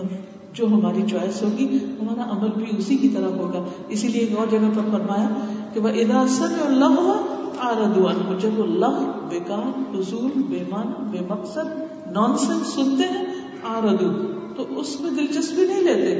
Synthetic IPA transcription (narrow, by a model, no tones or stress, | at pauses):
d͡ʒoːɦɐmaːɾit͡ʃaːjəsɦoːɡiʊnɦoːnaʔɐməlbʱiʊsikit̪ɐɾəɦoːɡaː | ɪsilieeːkɔːɾd͡ʒɐɡapɐɾfɐɾmaːjakeʋɐʔɪd̪aːsɐbjɔːɾlɐɦoaaːɾɐd̪uanɦʊd͡ʒɐbolɐɦbɪkaːɾhʊsuːlbeːmaːnbeːmɐqsəd̪ | nɔːnsɛ̃nsːʊnt̪eɦɛ̃ | aːɾɐd̪u | t̪oʔʊsmẽd̪ɪlt͡ʃɐst̪bʱinɐɦĩleːt̪e